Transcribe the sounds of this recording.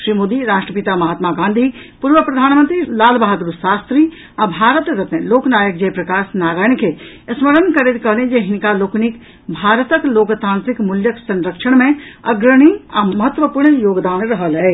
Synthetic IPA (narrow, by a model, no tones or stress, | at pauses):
ʃɾiːmoːd̪iɾaːʃʈɾəpɪt̪amɐɦaːt̪maɡãːnd̪ʱi | puːɾʋəpɾɐd̪ʱaːnmə̃nt̪ɾilaːlbaɦt̪ɾusaːst̪ɾi | abʱaːɾət̪ɾɐt̪ẽloːknaːjək̚d͡ʒɐjpɾɐkaːsnaːɾaːjɳkeɐsməɾənkɐɾet̪kɐɦlẽd͡ʒeɦɪnkaloːknik | bʱaːɾət̪əkloːkt̪ãːnt̪ɾɪkmʊljəksɐ̃nɾəkʃəɽ̃mẽɐɡɾəɽ̃iɐmɐɦət̪ʋəpuːɾɳjoːɡd̪aːnɾɐɦəlɦɛː